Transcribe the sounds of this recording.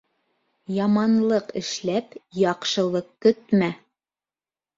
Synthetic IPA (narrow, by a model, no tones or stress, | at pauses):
jɑmɑnlˠɤqɘ̆ʃlæpjɑqʃɤ̆lˠɤq̚kɵt̪mæ